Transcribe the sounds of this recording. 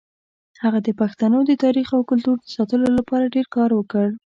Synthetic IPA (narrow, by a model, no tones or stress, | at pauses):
haɣad̪əpaxt̪anod̪ət̪ɑɾixawkʊlt̪uɾd̪əsɑt̪əlolapɑɾaɖeɾkɑɾwəkəɽ